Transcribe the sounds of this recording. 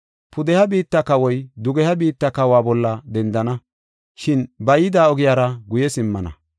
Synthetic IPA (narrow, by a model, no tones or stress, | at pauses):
pʰʊd̪ɛhɐbiːt̪ːɐkɐwɔjd̪ʊɡɛhɐbiːt̪ːɐkɐwaːbɔlːɐd̪ɛnd̪ɐnɐ | ʃɪnbɐjɪd̪aːɔɡɪjaːɾɐɡʊjɛsɪmːɐnɐ̰